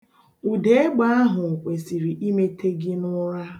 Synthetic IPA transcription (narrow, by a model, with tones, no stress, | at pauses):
u˨de˦e˦ɡ͡ba˦a˦ɦʊ˨kʷe˨si˨ɾi˨ʔi˦me˦tʰe˦ɡɪ˦nʊ˦ɾa˦